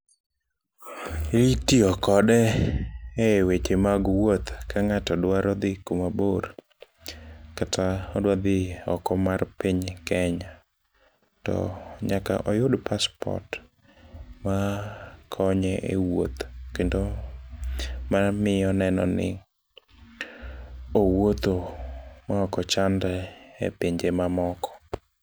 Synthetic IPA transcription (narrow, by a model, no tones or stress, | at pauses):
itiɔkɔdɛ | ɛwet͡ʃemaɡwot̪kaŋatɔdwaɾɔd̪ɪkomaboɾ | katʰaɔdwad̪ɪɔ̰kɔmarpɪɲkɛɲa | tɔ̰ɲaka̰ʔɔjʊdpaspɔ̰rt | makʰɔɲɛʔewot̪kendo | mamɪɔnɛnɔ̰nɪ̰ | owot̪omaɔkɔt͡ʃandɛḛpiɲd͡ʒemamɔkɔ̥